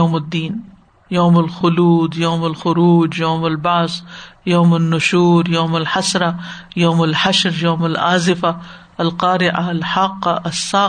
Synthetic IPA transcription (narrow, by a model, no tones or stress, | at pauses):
oːmad̪ːiːn | joːmalxʊluːd̪joːmalxʊɾuːd͡ʒjoːmalbazjoːmanːʊʃuːɾjoːmalħasɾɑjoːmalħaʃɾjoːmalʔaːzɪfa | alqɑːɾɪʕalħɑːqːaasːaː